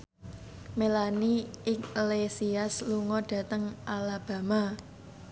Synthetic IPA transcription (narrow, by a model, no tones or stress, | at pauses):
melaniɪklesiasluŋɔɖ̥ä̤t̪əŋalab̥a̤ma